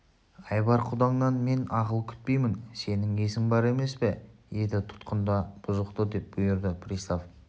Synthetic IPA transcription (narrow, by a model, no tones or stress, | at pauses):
ɑjbɑɾqʰʊd̪ɑɴnɑnme̞nɑʁəlˠkʲʰʏ̥t̪̚pe̞jmɪnse̞nɪŋesɪŋbɑɾe̞me̞spɪje̞d̪ɪt̪ʰʊ̥t̪qənd̪ɑb̥ʊzəqt̪əd̪e̞p̚b̥ʊjəɾd̪əpʰrist̪of